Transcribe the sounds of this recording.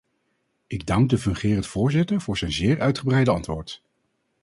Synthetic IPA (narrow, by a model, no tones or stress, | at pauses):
ɪɡ̚dɑŋɡ̚dəfɵŋχɪːrəntfʊːɹzɪtəɹvʊːɹzɛjnzɪːɹʔœɥtχəbrɛjdəɑntʋʊːɹt